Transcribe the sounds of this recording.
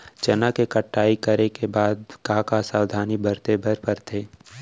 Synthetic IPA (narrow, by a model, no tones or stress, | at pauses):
t͡ʃɐnakekəʈːaːikəɾekebaːd̪kakasaːwd̪ʱaːnibəɾt̪ebəɾpəɾt̪ʰeː